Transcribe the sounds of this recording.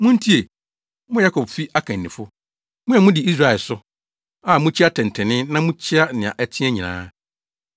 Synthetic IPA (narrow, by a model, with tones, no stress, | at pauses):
mʊ̃˦n̩˦tʰi˦e˨ | mʊ̃˦ja˦kʰɔ˨bfi˦ʔa˦kʰã˨n̩ː˨ɪ̃˨fʊ˦ | mʊ̃˦ɛ˨mʊ̃˦dɪ˨i˦s̬ɾa˦˨ɛ˨lsʊ˦ | a˨mʊ̃˦t͡ɕʰɪ˦a˦tʰɛ̃˨n˨tʰɛ˨nɪ̃˦nã˦mʊ̃˦t͡ɕʰɪ˦a˦nɪ̃˨a̰˨ʔɛ˦tʰɪ̃˦ɛ˦ɲĩ˨nã̰ː˦